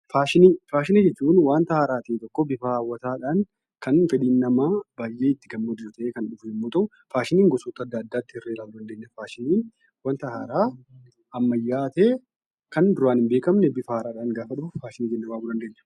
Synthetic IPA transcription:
faːʃɪniːfaːʃɪniːd͡ʒɛt͡ʃːuːnwaːnt̪ɐhaːɾaːt̪iːt̪ɔkːɔbɪfaːwːɐt̪aːᶑaːn | kɐnfɛᶑiːnːɐmaːbaːjʔeːɪt̪ːɪɡɐmːod̪ɪɾt̪ɐʔeːkɐnᶑʊfnɪmːʊt̪ɐ | faːʃɪniːŋɡɔsɔt̪ːɐd̪ːɐːd̪ːaːt̪ːɪhɪrːeːlaːɡʊd̪ɐnd̪eːnːɛfaːʃɪniːn | waːnt̪ɐhaːɾaː | ʔɐmːɐjːaːt̪eː | kɐnd̪ʊɾaːnɪmbeːkɐmnɛbɪfɐhaːɾaːᶑaːŋɡaːfɐᶑʊfaːʃɪniːd͡ʒɛnːɐbaːɡʊd̪ɐnd̪e̞ːnːɛ̥

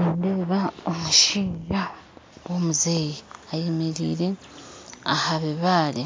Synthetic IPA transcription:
iːndeβaomuʃiːʒa | womuzeːjiajemeɾḭːɾe | ahaβeβaːli

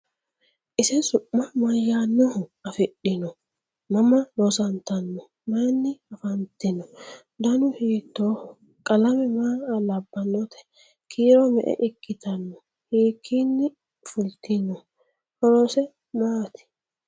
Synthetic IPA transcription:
ʔɪsɪsʊʔːɐmɐjaːnːɔhʊɐfɪɗːɪnɔ | mɐmɐlɔsɐnt̪ɐnːɔ | maːnːɪɐfɐnt̪ɪnɔ | d̪ɐnʊhiːt̪ːoːhʊ | kʼɐlɐmɛmaːlɐbːɐnːɔt̪ɛ̥ | kʰiːɾɔmɛ̰ʔɛ̰ʔɪkːɪt̪ɐnːɔ | hiːkʰːinːɪ | fʊlt̪ɪnɔ | hɔɾɔsɛ | maːt̪ɪ̥

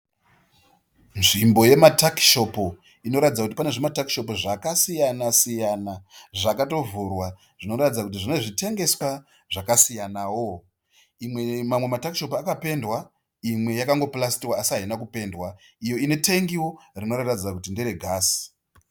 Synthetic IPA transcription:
nʐimbo̞je̞mataki̥ʃo̞po | ino̞ɾatid͡zakutipane̞ʐemataki̥ʃo̞poʐakasijanasijanaʐakato̞vurwa | ʐ̥ino̞ɾatid͡zakutiʐine̞ʐite̞ŋɡe̞swa | ʐakasijanawo̞ | imwemamwe̞matakiʃo̞pakape̞ndwa | imwe̞jakaŋɡo̞plas̬i̥tiwaːsiainakupe̞ndwa | ijo̞ine̞teŋɡiworino̞raratid͡zakutindeɾe̞ɡʱaːsi̥

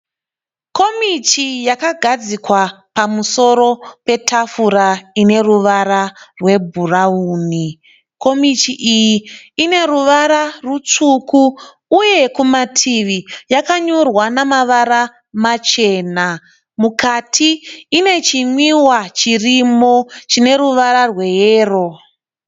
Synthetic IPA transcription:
ko̞mit͡ʃijakaɡʱad͡zikwapamuso̞ɾo̞pe̞tʰafuɾaine̞ruʋaɾarwe̞bʱurauːni | ko̞mitiʔijiːne̞ɾuʋaɾarut͡ʂukuː | je̞kumatʰiʋijakaɲorwanamaʋaɾa | mat͡ʃe̞ːna | mukatʰiːne̞t͡ʃimwiwat͡ʃirimo̞t͡ʃine̞ruʋaɾarwe̞jeːro̞

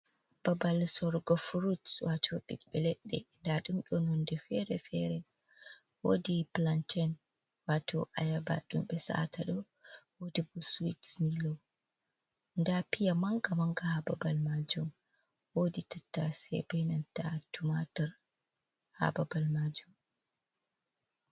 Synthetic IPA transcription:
b̥abalsɔɾɡɔfɾutswʔatʰɔɓḭɗɓɛlɛɗːɛ̰ndaɗumɗɔnɔndɛfɛɾɛfɛɾɛ | wodiplantɛn | watɔʔajaba̰ɗumɓɛsa̰tʰaɗɔ | wodibuswitmilɔ | ndapijamaŋɡamaŋɡahababalmad͡ʒum | woditatːasɛ̰bɛnantatumataɾ | ha̰babalmad͡ʒum

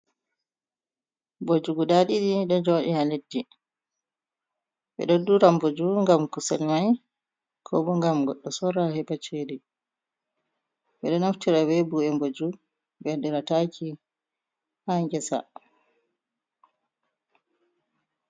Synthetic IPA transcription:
bod͡ʒuɡuɗaɗiɗiɗɔd͡ʒoɗihaledːi | ɓɛ̰ɗoduɾambod͡ʒuŋɡamkusɛlmaj | kʰɔbɔŋɡamɡɔɗːɔsɔɾahɛbat͡ʃeɗi | bɛɗɔnaftiɾawɛbuɛmbod͡ʒu | bɛdɛɾatakʰi | haŋɡɛsa̰

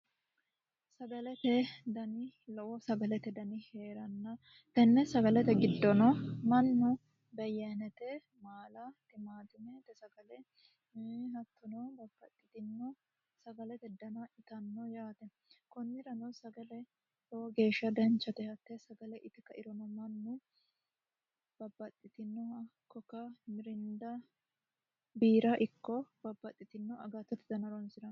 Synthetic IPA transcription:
sɐɡɐlɛt̪ɛd̪ɐnɪlɔʔɔsɐɡɐlɛt̪ɛd̪ɐnɪheːɾɐnːɐ | t̪ɛnːɛsɐɡɐlɛt̪ɛɡɪd̪ːɔnɔmɐnːɔ | bɛjɐnɛt̪ɛ | maːlɐt̪ɪmaːd̪ɪmɛt̪ɛsɐɡɐlɛ | hɐt̪ːɔnɔd̪ɐfːɐt̪ʼːɪt̪ɪnːɔ | sɐɡɐlɛt̪ɛd̪ːɐnɐɪt̪ɐnːɔjaːt̪ɛ | kɔnːɪɾɐnɔsɐɡɐlɛ | hoːɡe̞ːʃːɐd̪ɐnt͡ʃːɐt̪ɛhɐt̪ːɛsɐɡɐlɛʔɪt̪ɛkːɐʔɪɾɔmɐmɐnːʊ | b̥ɐbːɐt̪ʼːɪt̪ɪnːɔɐkːɔkːɐmɪɾɪnd̪ɐ | biːɾɐʔɪkːɔb̥ɐbːɐt̪ʼːɪt̪ɪnːɔɐɡɐt̪ːɔt̪ɪd̪ɐnɐɾɔnsɪɾɐn

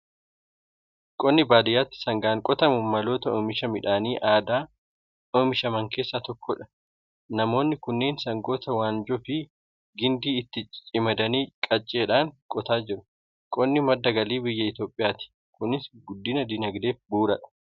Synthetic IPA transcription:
kʼɔnːɪbaːd̪ɪjaːt̪ːɪ̥sɐŋɡaːŋkʼɔt̪ɐmʊmɐlo̞ːt̪ɐoːmɪʃɐmɪᶑaːniːʔaːd̪aː | oːmɪʃɐmɐŋkʰe̞ːsːaːt̪ɔkʰːɔᶑɐ̥ | nɐmo̞ːnːɪkʊnːe̞ːnsɐŋɡo̞ːt̪ɐwaːnd͡ʒɔfɪ | ɡɪnd̪iːɪt̪ːɪt͡ʃʼɪmɐd̪ɐniːkʼɐt͡ʃʼːe̞ːᶑaːŋkʼɔt̪aːd͡ʒɪɾʊ̥ | kʼɔnːɪmɐd̪ːɐɡɐliːbɪjːɐɪt̪jo̞ːpʼːɪjaːt̪ɪ̥ | kʊnɪsɡʊd̪ːɪnɐd̪ɪnɐɡd̪e̞ːfbuːɾɐᶑɐ̥

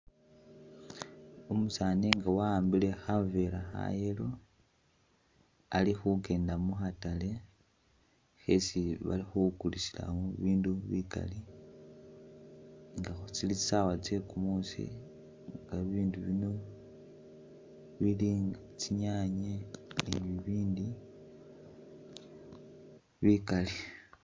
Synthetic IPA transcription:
omusaːniŋɡawaːmbile̞xave̞laxa̰jelo̞ | alixuke̞ːndamuxatale̞ | xe̞̰siβa̰lixukulisila̰muβiːnduβika̰li | ŋɡaxut͡silit͡si̥sawat͡se̞kumusḭ | ŋɡaβiːnduβino | βiliːŋat͡siɲaɲeniβiβiːndi | βikali

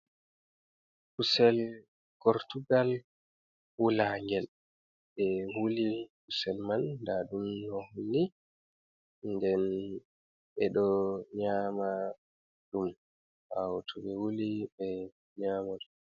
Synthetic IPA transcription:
kusɛl | kɔɾtuɡal | wulaŋɡɛl | ɓɛwulikusɛlmandaɗumnɔhunːi | ndɛn | ɛɗɔɲaːma | ɗum | hawtʰuɓɛwulibɛ | ɲamad

